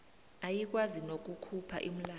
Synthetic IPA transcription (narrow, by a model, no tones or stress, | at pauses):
ajik̬ʼwazinok̬ukʰupʰa̰ʔim̩laː